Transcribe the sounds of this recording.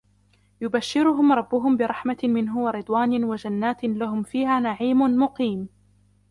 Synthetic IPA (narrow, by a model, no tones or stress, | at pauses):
jʊbaʃːɪɾʊɦʊmɾˤɑbːʊɦʊmbɪɾˤɑħmamɪnɦʊwaɾɨd̪ˤwaːnɪwad͡ʒanːaːt̪laɦʊmfiːɦaːnaʕiːmʊnmʊqiːm